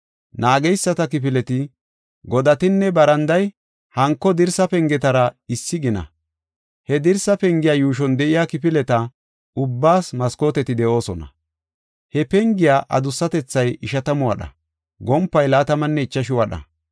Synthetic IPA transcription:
naːɡɛjsːɐt̪ɐkɪpɪlɛt̪ɪ | ɡɔd̪ɐt̪ɪnːɛbɐɾɐnd̪ɐj | hɐŋkːɔd̪ɪɾsɐpɛŋɡɛt̪ɐɾɐɪsːɪɡɪnɐ̰ | hɛd̪ɪɾsɐpɛŋɡɪjaːjuːʃ̬ɔnd̪ɛʔɪjaːkɪp̬ɪlɛt̪ɐ | ʊbːaːsmɐsko̞ːt̪ɛt̪ɪd̪ɛʔo̞ːsɔnɐ̰ | hɛpɛŋɡɪjaːʔɐ̰d̪ʊsːɐt̪ɛt͡sːɐjɪʃɐt̪ɐmʊwɐɗɐ̰ | ɡɔmpːɐjlaːt̪ɐmɐnːɛɪt͡ʃːɐʃɪwɐɗɐ̰

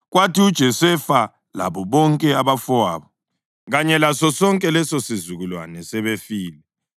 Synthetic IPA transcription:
ɣwatiud̥ʒ̥ʱɛsɛfa | la̰βɔβɔŋkʼɛaβafɔaːβɔ | ɣaɲɛlasɔsɔŋkʼɛlɛsosizuɣulwa̰nɛsɛβefiːlɛ

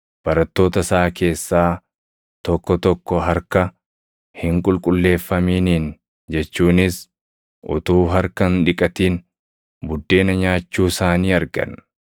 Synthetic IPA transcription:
b̥ɐɾɐt̪ːo̞ːt̪ɐsaːke̞ːsːaː | t̪ɔkːɔt̪ɔkːɔɦɐɾkɐ | hɪŋkʼʊlkʼʊlːe̞ːfːɐmiːniːn | d͡ʒɛt͡ʃːuːnɪs | ʔʊ̰t̪uːɦɐɾkɐnᶑɪkʼɐt̪iːn | bʊd̪ːe̞ːnɐɲaːt͡ʃːuːsaːniːɐɾɡɐ̰n

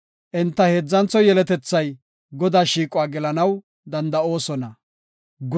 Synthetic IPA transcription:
ʔɪnt̪ːɐheːd͡zːɐnt͡sɔjɛlɛt̪ɛt͡sːɐj | ɡɔd̪aːʃiːkʼʊaːɡɛlɐnɐw | d̪ɐnd̪ɐo̞ːsɔnɐ | ɡ

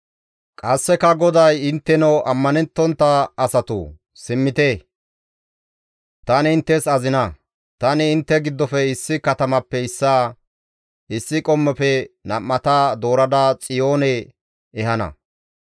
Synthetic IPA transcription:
kʼɐsːɛkɐɡɔd̪ɐjɪnt̪ːɛnɔʔɐmːɐnɛnt̪ːɔnt̪ːɐːsɐt̪ṵ | sɪmːɪt̪eː | t̪ɐnɪɪnt̪ːɛsɐzɪnɐ | t̪ɐnɪːnt̪ːɛɡɪd̪ːɔfɛɪsːɪkɐt̪ɐmɐpːɛɪsːaː | ɪsːɪkʼɔmːɛfɛnɐmːɐt̪aːd̪o̞ːɾɐd̪aːt͡sʼɪjoːnɛ | ɛhɐnɐ̰

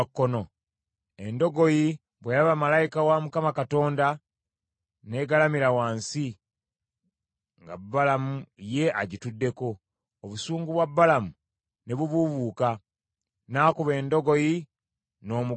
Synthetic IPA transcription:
kːono̞ | e̞ndo̞ɡo̞ji | βwejalaβamalaikawamukamakato̞ːnda | ne̞ːɡalamiɾawaːnsi | ŋɡa̰bːalamuje̞ʔaɟitudːe̞ko̞ː | βusuːŋɡuβwabːalamu | ne̞βuβuβuːka | naːkuβe̞ːndo̞ɡo̞ji | no̞ːmu

